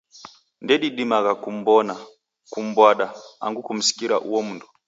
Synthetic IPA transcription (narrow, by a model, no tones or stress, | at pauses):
ndɛɗiɗimaɣakum̩bɔna | kum̩bwaɗaa̰ŋɡukum̩si̥kiɾa̰ʔuwɔmundu